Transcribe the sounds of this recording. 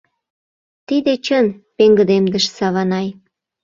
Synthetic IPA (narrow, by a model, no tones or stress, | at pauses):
t̪id̪et͡ɕənpeŋɡə̆d̪emd̪əʃsɑβɑnɑj